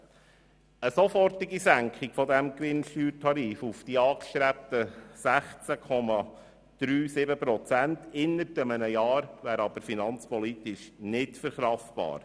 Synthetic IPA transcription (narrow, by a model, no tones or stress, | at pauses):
əsɔfɔɾtɪɡisæŋkχɪɡ̥fɔd̪æmkʋɪnʃtyːɾtʰɑɾiːfufd̥iɑːkʃt̪ɾæp̚t̪əsæχt͡sækʰɔmɑ | d̪̥ɾyːsɪbəpɾɔt͡sæntɪnːəɾdəmənəjɑːɾʋæːɾɑb̥əɾfinɑnt͡spɔlit̪ɪʃnɪtfəɾχɾɑftb̥ɑ̰ːɾ